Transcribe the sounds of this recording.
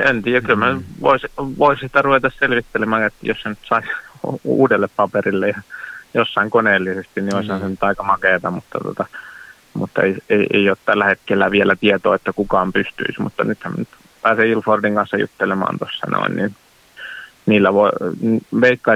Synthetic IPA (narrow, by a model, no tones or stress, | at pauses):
ent̪iːjækylmænyʋo̰isʋoissi̥t̪æruʋet̪ɑsselʋit̪ːelemɑːŋet̪ːæjossenyt̪sɑi | ṵːdelːeppɑperilːejɑjosːɑiŋkoneːlːisest̪innioishɑnsenyt̪ɑikɑmɑkeˑt̪ɑmmut̪ːɑt̪uo̰t̪ɑ | mut̪ːḛieiḛioːt̪t̪ælːæhet̪kelːæʋielæt̪iet̪oːet̪ːækukɑːmpyst̪y̰ismṵt̪ːɑ̰nyt̪hæmnyt̪ | pæːseilfordiŋkɑnsːɑjṵt̪ːelemɑ̰ːnt̪osːɑ̰no̰ḭnnḭn | niːlːæʋo | ʋeikːɑi